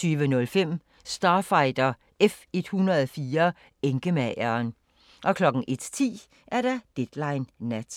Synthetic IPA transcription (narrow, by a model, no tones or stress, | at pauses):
yːʋənɔ̽lfem̰ | sd̥ɑ̈ːfɑ̈ɪd̥ɐ | efe̝d̥hunʁɐðˠfiːɐ | eŋɡ̥əmæɪ̰ɐːn | ʔɒ̽kʰlɒ̽ɡ̥̩ʔe̝d̥t͡sʰḭː | ʔæɐd̥ɑd̥ed̥lɑ̈ɪnːæd̥